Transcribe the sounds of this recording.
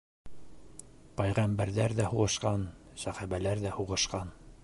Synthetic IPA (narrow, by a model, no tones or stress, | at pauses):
pæjʁæmbæɾðæɾðæhuʁɤ̆ʃqɑnsæχæβælæɾðæhuʁɤ̆ʃqɑn